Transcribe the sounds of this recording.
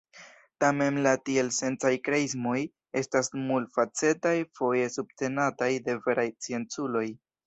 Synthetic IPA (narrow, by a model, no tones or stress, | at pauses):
tame̞nlatie̞lse̞nt͡sajkɾeizmo̞j | e̞stasmultfat͡se̞tajfo̞je̞sub̚te̞natajde̞ve̞ɾajt͡sie̞nt͡sulo̞j